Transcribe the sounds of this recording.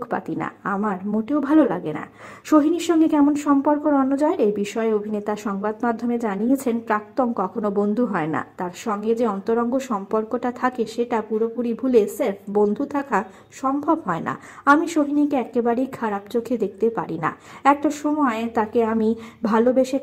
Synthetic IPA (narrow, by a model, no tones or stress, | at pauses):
kʰpa̰t̪ina̰amaɾmoʈeobʱalolaɡena̰ | ʃoɦiniɾʃɔŋɡekɛmonʃɔmpoɾkoɾɔnːod͡ʑɔeɾejbiʃɔeobʱinet̪aʃɔŋbad̪mad̪ʱomed͡ʑaniet͡ɕʰenpɾak̚t̪onkɔkʰonobond̪ʱuɦɔena̰t̪aɾʃɔŋɡed͡ʑeɔnt̪oɾɔŋɡoʃɔmpoɾkoʈat̪ʰakeʃeʈapuɾopuɾibʱuleseɾfbond̪ʱut̪ʰaka | ʃɔmbʱobɦɔena̰ | amiʃoɦinikeɛkebaɾejkʰaɾapt͡ɕokʰed̪ek̚ʰt̪epa̰ɾina̰ɛk̚ʈaʃɔmɔet̪akeamibʱalobeʃe